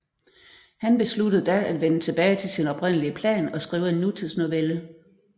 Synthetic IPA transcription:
hænb̥e̝slud̥əð̩ˠd̥ææd̥ʋenət͡sʰe̝b̥ɛːɪt͡sʰe̝lsinɒ̽b̥ʁen̰əliəpʰlɛ̰ːnɒ̽sɡ̥ʁiːʊəe̝nːut͡sʰiðˠsno̝ʋelə

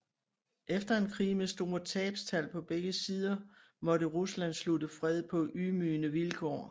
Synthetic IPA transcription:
ʔefd̥ɐe̝nkʰʁḭːmesd̥o̝ːɐt͡sʰɛ̰ːb̥st͡sʰæl̰pʰɒ̽b̥eɡ̥əsiːð̞ˠɐ | mɒ̽ɾəʁuslæn̰sludəfʁɛð̞̰ˠpʰɒ̽ʔymyːnəʋilkʰɒ̰ː

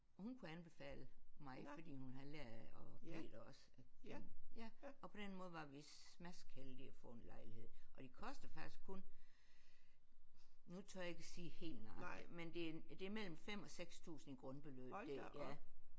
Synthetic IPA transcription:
hunkʰuænb̥e̝fɛ̰ːləmɑ̈ɪfɒd̥ḭːhunɦɑælæɐ̰ðɒ̽b̥e̝̰ːd̥ɒ̽s | æjæɒ̽pʰɒ̽d̥enmɔ̽ːð̞̩ˠʋɑ̈ʋismæskʰeld̥iɐfɔ̰enlɑ̈ɪlihe̝ð̰ˠʔɒ̽d̥ikʰɒ̽sd̥ɐfɑ̈ɡ̥isɡ̥kʰɔn | nut͡sʰo̰jæe̝ɡ̥æsiːhe̝̰ːlnɑ̈mend̥e̝d̥e̝æɐmel̰m̩fem̰ɒ̽seɡ̥st͡sʰṵːsn̩iɡ̥ʁɔ̽nb̥e̝lø̰ːb̥æjæ

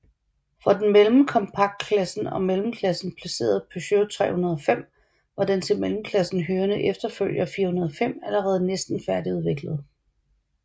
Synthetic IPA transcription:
fʁɑ̈d̥enmelməkʰɒ̽mpʰɑ̈ɡ̥̚d̥̚kʰlæsn̩ɒ̽melm̩kʰlæsn̩pʰlæse̝̰ːɐð̞̩ˠpʰøɕøʊt͡sʰʁɛ̰ːhunɐð̞ˠɒfem̰ | ʋɑ̈d̥ent͡sʰe̝lmelmkʰlæsn̩ɦøːɐnəʔefd̥ɐføl̰jɐfiːɐhunɐð̞ˠɒfem̰æləʁɛːð̞̩ˠnesd̥n̩fæɐdiuð̞ˠʋe̝ɡ̥ləð̞̩ˠ

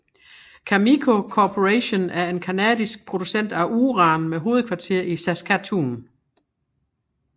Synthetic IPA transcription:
kʰæmikʰo̝kʰɒpʰo̝ʁæɕo̝næɐe̝nkʰænɛ̰ːðˠisɡ̥̚pʰʁo̝d̥usen̰d̥æʔuːʁɑ̈nmeɦo̝ːð̞̩ˠkʰʋɑ̈t͡sʰe̝ɐ̰isæskʰæt͡sʰun

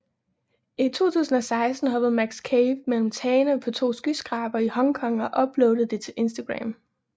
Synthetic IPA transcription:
it͡sʰo̝̰ːt͡sʰṵːsn̩ɒ̽sɑ̈ɪsd̥n̩ɦɑʋ̥ɛð̩ˠmæɡ̥skʰeɪʋmel̰m̩t͡sʰɛːnəpʰɒ̽t͡sʰo̝̰ːsɡ̥ysɡ̥ʁɑ̈ːb̥ɐihɒ̽ŋkʰɒ̽ŋɒ̽ʔɒ̽b̥lɔʊd̥ð̩ˠd̥e̝t͡sʰe̝lʔe̝nsd̥æɡ̥ʁa̰m

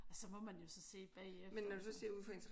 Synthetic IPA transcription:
ɒ̽sɒ̽mɒ̽mænjo̝sɒ̽se̝̰ːb̥ɛ̰ːemenːɒd̥usɒse̝ɐ̰uðˠfɒ̽e̝nt͡sʰɐ

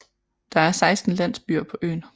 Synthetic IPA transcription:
d̥ɑ̈æɐsɑ̈ɪsd̥n̩læn̰sb̥yɐ̰pʰɒ̽ʔø̰ːn

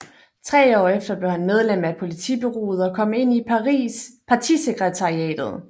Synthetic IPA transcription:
t͡sʰʁɛ̰ːɒ̰ːefd̥ɐb̥le̝ʊhænmeð̞ˠlem̰æpʰo̝lit͡sʰḭb̥e̝ʁo̝̰ːð̞̩ˠɒ̽kʰɒ̽m̰e̝n̰iipʰɑ̈t͡sʰḭːseɡ̥ʁɛt͡sʰɑ̈ʁiɛ̰ːd̥ð̞̩ˠ

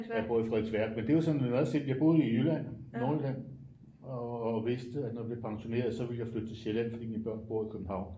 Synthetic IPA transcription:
ɒb̥o̝ɐ̰fʁɛd̥sʋæɐɡ̥̚mend̥e̝ʋɑsɒ̽nnɒðˠse̝d̥jɑ̈ɪb̥o̝ðˠijylæn̰nːoːl̥æn̰ | ɒʋe̝sd̥əæd̥nɒdib̥liɐpʰɑ̈ŋɕo̝ne̝ːɐðˠsɒ̽ʋe̝ljɑ̈ɪflød̥̚t͡sʰe̝lɕelæn̰fɒd̥ḭmib̥ɶɐ̰nb̥o̝ɐ̰ikʰøb̥m̩hɑ̈ʊ̰n

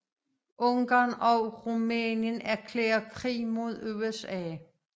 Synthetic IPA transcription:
ʔɔ̽ŋɡ̥ɑːnɒʁumɛːnjənæɐkʰlḛːɐkʰʁḭːmo̝ð̞̰ˠøesɛ̰ː

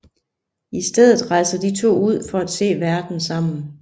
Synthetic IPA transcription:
isd̥eð̞̰ˠð̩ˠʁɑ̈ɪsɐd̥it͡sʰo̝̰ːuð̞̰ˠfɒ̽æd̥se̝̰ːʋæɐd̥n̩sɑ̈m̰n̩

